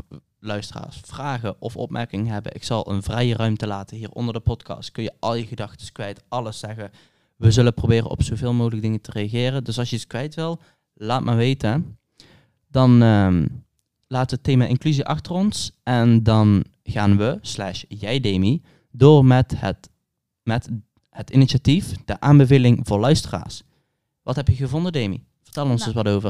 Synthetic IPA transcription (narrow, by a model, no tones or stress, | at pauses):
lœɥstəra̰ːɹsfraːɣəʔɔfɔ̰p̚mʔɛ̰ɹkɪŋəɦɛbə̰nʔɪksɑlˠə̰nvrɛjərœɥmtəlaːtənɦiːrɔ̰ndərdəpɔtkɑ̰stkɵnjəʔɑlˠjəɣədɑxtə̥skʋɛjtɑləsːɛɣə | ʋəzɵləprowbɪːrə̰nɔ̰psowvɪːlˠmoːɣələɡ̚dɪŋətərejaɣɪːrəndɵsɑlˠsjəiskʋɛjtʋɪlˠ | laːtmaːɹʋejtə | dɑn | laːtəʋətejmaʔɪnklyziʔɑxtərɔnsɛndɑn | ɣaːnʋəslɛ̰ʃjɛjdeːmi | doːrmɛt | mɛt | ətiniʃatifd̥əʔaːnbəvejlɪŋvʊːɹlœɥstəra̰ːɹs | ʋʔɑtɦɛpjəɣəvɔndədejmḭ | v̥ərtɛlənɔnszəsʋɑtoːvər